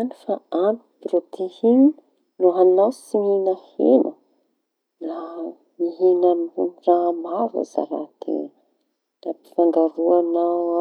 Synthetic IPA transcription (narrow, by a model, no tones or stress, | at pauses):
anifaani̥pɾot̪ʰehini | nuɦanawsininahenə | la | miɦinaramava̰za̰ɾa̰t̪ḛ | lapi̥faŋɡaɾuanaw